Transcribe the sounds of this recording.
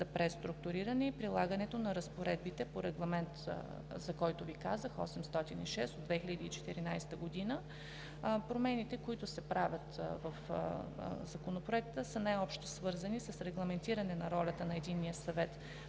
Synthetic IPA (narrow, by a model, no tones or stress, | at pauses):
zɐpɾɛst̪ɾʊk̚t̪ʊɾiɾɐnɛipɾilˠaɡənɛt̪onɐɾəspoɾɛd̪̚bit̪ɛpoɾɛɡlˠɐmɛnt̪ | zɐkɔjt̪ʊvikazəxɔ̰sɛmst̪ɔt̪iniʃɛst̪od̪vɛxiʎʲəd̪iːt͡ʃɛ̥t̪ɛɾinajst̪əɡod̪inə | pɾomɛnit̪ɛkoit̪ʊsɛpɾavʲjət̪vɐf | zɐkonopɾoɛk̚t̪əsənajɔpʃt̪osvɤɾzɐnisɐsɾɛɡlˠɐmɛnt̪iɾɐnɛnɐɾɔlʲɐt̪ənɐɛd̪inːijəsɐvɛt̪